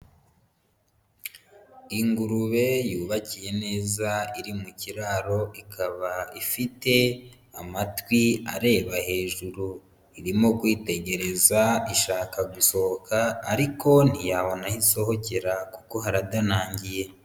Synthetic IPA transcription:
iŋɡuɾuβe̞juːβacije̞ne̞ːzaiɾimuciɾaːɾo̞ikʰaβaifite̞ | amatwia̰ɾe̞ːβahe̞ːʒuɾu | iɾimo̞kwiːte̞ɟe̞ɾe̞zaiʃaːkaɡuso̞hokʰaːɾiko̞n̥ijaβo̞nahiso̞ho̞ce̞ɾakuko̞ɦaɾadanaːɲɟije̞

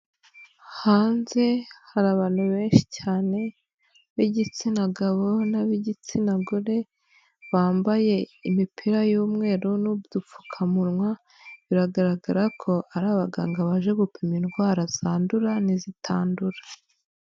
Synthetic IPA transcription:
haːnze̞haɾaβaːn̥huβe̞ːnʃi̥caːne̞ | βiɟit͡sinaɡaβo̞naβiɟit͡sinaɡuɾe̞ | βaːmbaje̞imipʰiɾajuːmŋe̞ːɾunubdup͡fu̥kʰamuɾŋwa | βiɾaɡaɾaɡaɾakʰo̞ʔaɾaːβaɡaːŋɡaβaʒe̞ɡupiminɡwaːɾaz̥aːnduɾanizitʰaːnduɾḁ

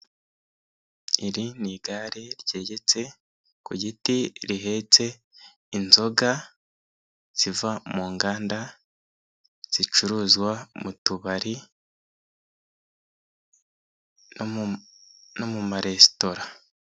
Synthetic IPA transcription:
iɾiniɡaɾeɾɟe̞ːɟe̞t͡se̞ | kuɟitiɾiɦe̞ːt͡se̞ | inzo̞ɡa | z̥ivamuːŋɡaːnda | z̥it͡ʃuɾuːzɡwamutuβaɾi | no̞mumaɾe̞sto̞ɾa

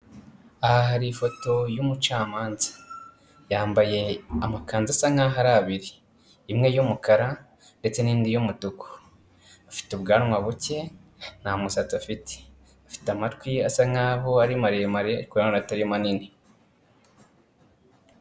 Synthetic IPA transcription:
ahahaɾiːfo̞to̞jumut͡ʃaːmaːnzḁ | jaːmbaje̞amakaːnzasaŋaɦaɾaːβiɾiː | mŋe̞jumukaɾa | nde̞t͡se̞niːndijomutukʰo̥ | afi̥tubɡaːnŋwaβuce̞n̥amusat͡safite̥ | afi̥tamatkwiasaŋaβoaɾimaɾijemaɾeikoanonataɾimanini

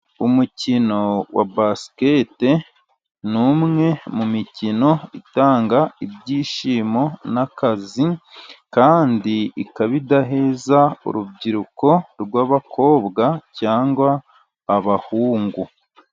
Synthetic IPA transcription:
umucino̞wa̰baskete | numŋe̞mumicino̞itaːŋɡaibɟiːʃiːmo̞nakazikaːndiikaβidaɦeːzaṵɾubɟiɾuko̞ɾɡwaːβakʰo̞ːβɡacaːŋɡwaː | βahuːŋɡu

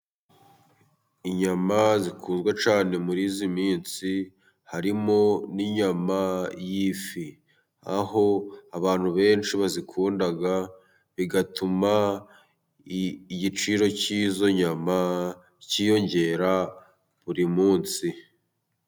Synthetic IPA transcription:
iɲamazikʰuːnzɡwat͡ʃaːne̞muɾiːzimiːnsi | haɾimo̞niɲamajifi | a̰ho̞aβaːnhuβe̞ːnt͡ʃiβazikʰuːndaɡa | βiɡatuma | ɟit͡ʃiɾo̞cizo̞ɲama | ciːjo̞ɲɟe̞ːɾa | βuɾimuːnsi

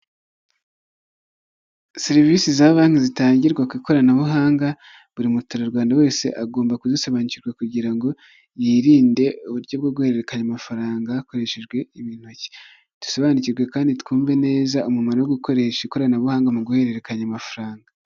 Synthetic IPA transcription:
seɾivisizaβaːnhizitaːɲɟiɾɡwakwiːko̞ɾanaβuɦaːŋɡa | βuɾimutuɾaɾɡwaːndawe̞ːse̞̰ʔaɡo̞ːmbakuzisoβaniciɾɡwakuɟiɾaŋɡo̞ | jiːɾiːnde̞uβuɾɟo̞b̚ɡoɡuhe̞ɾe̞ɾe̞kaɲamafaɾaːŋɡako̞ɾe̞ʃe̞ʒɡwe̞iβiːn̥oci̥ | d̥u̥soβaniciɾɡwe̞kaːnditkuːɱve̞ne̞ːzaʔumumanowoɡuko̞ɾe̞ʃaiko̞ɾanaβuhaːŋɡamuɡuhe̞ɾe̞ɾe̞kaɲamafaɾaːŋɡa

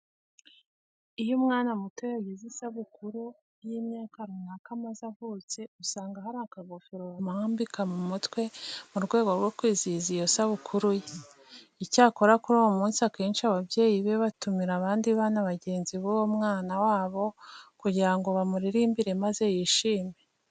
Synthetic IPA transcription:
ijomŋaːnamutwejaɡizisaβukuɾu | jimɲaːkaɾunakamazavuːt͡se̞usaːŋɡahaɾakaɡofiɾoβamahaːmbikamumutwe̞muɾɡwe̞ːɡo̞ɾɡwo̞kwiːzizijosaβukʰuɾuje | icaːko̞ɾakuɾuwomuːnsiakeːnʃiaβabje̞ːjiβe̞βatumiɾaβaːndiβaːnaβaɟe̞ːnziβuβomŋaːnawaːβo̞kuɟiɾaŋɡo̞βamuɾiɾiːmbiɾe̞maze̞jiːʃiːme̞

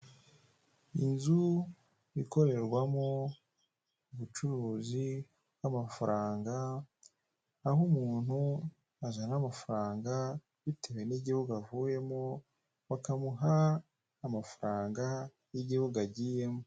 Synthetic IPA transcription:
ḭnzu | βiko̞ɾe̞ɾɡwamo̞ | uβut͡ʃuɾuːzi | bwamafaɾʔaːŋɡa | humuːn̥hu | azanamafaɾaːŋɡa | βitewe̞niɟihuɡavuje̞mo | wakamuɦaː | mafaɾaːŋɡa | jiɟihuɡaɟije̞mo

